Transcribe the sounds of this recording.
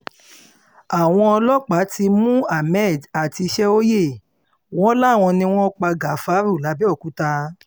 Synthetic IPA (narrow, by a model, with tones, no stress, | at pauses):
a˨w̃ɔ̃˧ɔ˧lɔ˦k͡pa˨˦ti˧mũ˦a˨mɛ˦˨da˨ti˧ʃɛ˦o˦je˦˨ | w̃ɔ̃˦la˦˨w̃ɔ̃˧nĩ˧w̃ɔ̃˦k͡pa˧ɡa˨˦fa˨˦ɾu˦˨la˨˦bi˦ɔ˦˨kũ˨˦ta˧